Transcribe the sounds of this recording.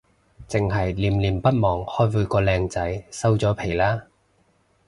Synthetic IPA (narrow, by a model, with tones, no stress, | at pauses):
t͡sɪ˨ŋɦɐ˨jliː˨˩mliː˨˩mpɐ˥t̚mɔː˨˩ŋhɔː˥jfuː˨˧jkɔː˧lɛː˧ŋt͡sɐ˨˥jsɐ˥wt͡sɔː˨˥pʰe˨˩jlaː˥